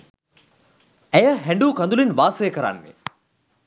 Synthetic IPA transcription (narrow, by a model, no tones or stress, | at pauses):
æjəɦæɳɖuːkand̪ulinʋaːsəjəkəɾa̰nːḛ